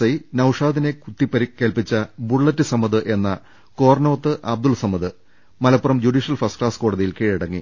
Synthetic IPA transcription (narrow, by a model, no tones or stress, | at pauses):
ɐjnɐwʂaːd̪ine̞kut̪ːipːɐɾikːe̞ːlpit͡ɕːɐbuɭːɐtːɨsɐmɐðɨʔe̞nːɐ | ko̞ːrnɐːt̪ːɨʔɐb̚d̪ulsɐmːɐðɨ | mɐlɐpːurɐmd͡ʑuɖiːʂjɐlfɐrsʈklaːsko̞ːɽɐðijilkeːɻiɽɐŋːḭ